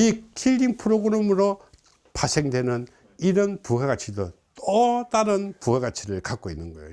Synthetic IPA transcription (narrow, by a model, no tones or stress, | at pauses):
ikʰiʎːiŋpʰɯɾoɡɯɾemɯɾo | pasʰe̞ŋdwe̞nɯn | iɾʌnpuɦeɡat͡ɕʰidot͈ot͈aɾɯnpuweɡat͡ɕʰiɾɯɭkak͈oinːɯnɡʌjo̰